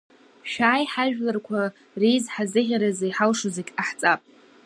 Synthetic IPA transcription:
ʃᶣaːjħaʒᶣlarkʷʰa | rejzħazɨʁʲaɾazejħalʂozekʲʼaħt͡sʼapʼ

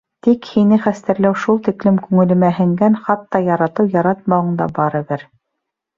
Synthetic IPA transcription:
t̪ikhinɘχæst̪æ̆ɾlæwʃulˠt̪iklɘmkʉŋɘ̆lɘ̆mæɦɘ̆ŋɡænχɑt̪ːɑjɑɾɑt̪ɤwjɑɾɑt̪̚mɑwɤ̆ɴd̪ɑ̰bɑɾɤ̆βɘɾ

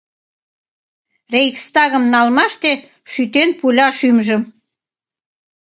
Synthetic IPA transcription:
rejkst̪ɑɣə̆mnɑlmɑʃt̪e | ʃyt̪enpulʲɑʃymʒə̆m

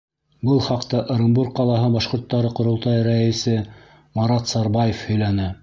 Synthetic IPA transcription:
bɤlˠχɑqt̪ɑʔ̆ɾʲɪmbuɾk̚qɑlˠɑɦɤbɑʃqŏɾt̪ːɑɾɤqŏɾŏlˠt̪ɑjɾæɘ̆sɘ | mɑɾɑt̪sɑɾbɑjefhɵ̆jlænɘ

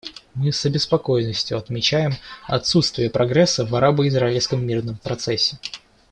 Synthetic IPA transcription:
mɨsəbʲɪspɐko̞jnːəsʲtʲjʊɐt̪mʲɪt͡ɕæjɪmɐ̰t̪sut̪st̪vʲɪjəpɾʔɐɡɾɛsːəvɐɾabəɪzɾaɪlʲskəmːʲirnəmpɾɐt̪sɛsʲːɪ

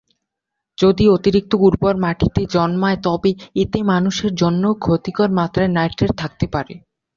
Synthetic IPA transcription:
d͡ʑod̪iot̪iɾik̚t̪oɡuɾpɔɾmaʈʰit̪ed͡ʑɔnmaet̪ɔbeit̪emanuʃeɾd͡ʑonːokʰot̪ikoɾmat̪ɾaenajʈɾeɾt̪ʰak̚t̪epaɾe

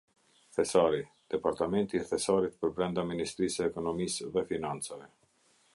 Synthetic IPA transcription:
θɛsaɾi | d̪̥ɛpaɾt̪amɛnt̪iθɛsaɾit̪pəɾbɾɛnd̪aminist̪ɾisɛːkɔnɔmisðɛfinant͡savɛ

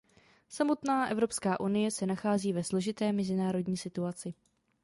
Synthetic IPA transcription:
samo̞t̪naːʔɛ̰vɾo̞pskaːʔunɪjɛsɛnaxaːziːvɛslo̞ʒɪt̪ɛːmɛzɪnaːɾo̞dɲiːsɪt̪uat͡sɪ

